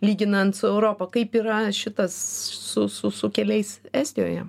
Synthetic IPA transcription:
lʲiːɡʲɪnɐnt̪sʊɛʊɾoːpɐkɐɪpiːɾɐʃʲɪt̪ɐssʊsʊsʊkʲɛlʲɛɪsæːsʲt̪ʲɪjo̰ːjɛ̰

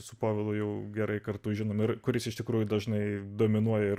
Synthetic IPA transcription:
sʊpoːʋʲɪlˠʊjɛʊɡʲɛɾɐɪkɐrt̪ʊʒʲɪnoːmɪrkʊɾʲɪsɪʃt̪ʲɪkɾuːjʊd̪ɐʒnɐɪd̪oːmʲɪnuɔjɛɪ

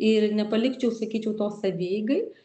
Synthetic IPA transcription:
ɪɾnʲɛpɐlʲɪkt͡ʃʲɛʊsɐkʲiːt͡ʃʲɛʊt̪oːsɐʋʲeːjɡɐɪ

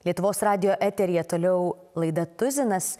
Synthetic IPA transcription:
lʲiɛt̪ʊʋoːsɾɑːd̪ʲɪjoːʔæːt̪ʲɛɾʲɪjɛt̪oːlʲɛʊ | lˠɐɪd̪ɐt̪ʊzʲɪnɐs

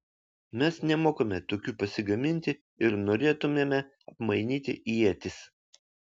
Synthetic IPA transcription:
mʲɛsnʲɛmoːkomʲɛt̪oːkʲuːpɐsʲɪɡɐmʲɪnʲt̪ʲɪ | ɪɾnoːɾʲeːt̪ʊmʲeːmʲɛ | ɐpmɐɪnʲiːt̪ʲɪʔiɛt̪ʲɪs

